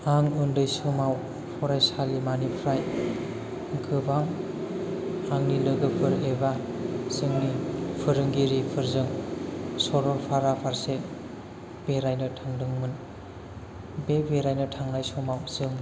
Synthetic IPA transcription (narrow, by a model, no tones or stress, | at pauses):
aŋɯndɯjsɯmaw | pʰɔɾajsalimanipʰɾaj | ɡɯbaŋ | aŋnilɯɡɯpʰɯɾeba | zɯŋnipʰɯɾɯŋɡiɾipʰɯɾzɯŋ | sɔɾɔpʰaɾapʰaɾse | b̥eɾajnɯtʰaŋdɯŋmɯn | bebeɾajnɯtʰaŋnajsɔmawzɯŋ